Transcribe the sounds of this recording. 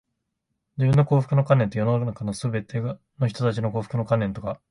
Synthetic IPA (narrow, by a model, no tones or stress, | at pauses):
d͡ʑibɯ̟̃nːo̞ko̞ːɸɯ̥kɯno̞kãnːent̪o̞jo̞nonakanosɨbe̞t̪ʰe̞ | no̞çi̥t̪ot̪at͡ɕino̞ko̞ːɸɯ̥kɯ̟no̞kãnːe̞nt̪o̞ka